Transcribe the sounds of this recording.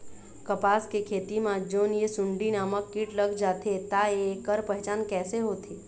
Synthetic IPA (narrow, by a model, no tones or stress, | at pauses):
kɐpaːskekʰeːt̪imãd͡ʒoːnjesʊ̃ɳɖinaːməkːiːʈləɡd͡ʒaːt̪ʰet̪aekːəɾpəɦt͡ʃaːnkɛːseɦoːt̪ʰeː